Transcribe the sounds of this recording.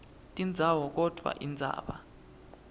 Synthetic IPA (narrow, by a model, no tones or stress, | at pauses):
tʼind͡zʱawɔk̬ɔd̥ʱwa̰ʔind͡zʱa̰ːɓa